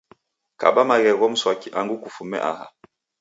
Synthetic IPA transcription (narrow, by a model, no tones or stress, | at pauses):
ka̰bamaɣɛɣɔm̩swakiʔaŋɡukufumɛ̰ʔa̰ha̰